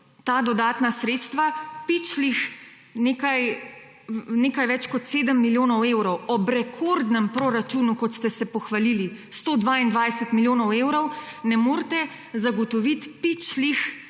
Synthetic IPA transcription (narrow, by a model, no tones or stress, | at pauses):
t̪aːd̪ɔd̪aːt̪nasɾeːt̪st̪ʋapit͡ʃlix | neːkaj | neːkajʋɛt͡ʃkɔt̪seːd̪əmːiljoːnɔwewɾɔwɔbɾɛkʰoɾd̪nɛmpɾoɾat͡ʃuːnukɔt̪st̪ɛsɛpɔxʋalili | st̪oːd̪ʋaind̪ʋaːjsɛt̪miljoːnɔwewɾɔwnɛmoːɾt̪ɛ | zaɡɔt̪ɔʋit̪pit͡ʃlix